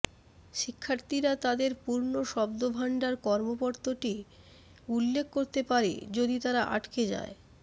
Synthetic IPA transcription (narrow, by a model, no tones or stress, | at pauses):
ʃikʰːaɾt̪iɾat̪ad̪eɾpuɾnoʃɔb̚d̪obʱaɳɖaɾkɔɾmopɔɾt̪oʈi | ulːek̚ʰkoɾt̪epaɾḛd͡ʑod̪it̪aɾaʔa̰ʈked͡ʑa̰e